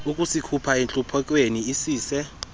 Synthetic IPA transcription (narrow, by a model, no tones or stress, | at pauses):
ukʼusikʰupʰaɛnt͡ɬʼupʰɔkʼweniisiːsɛ